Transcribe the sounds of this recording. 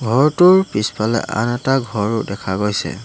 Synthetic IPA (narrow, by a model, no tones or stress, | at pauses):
ɡʱɔɹtʊɹpispalɛ̰ʔa̰nɛtaɡʱɔɹʊdɛkʰaɡojsɛ̰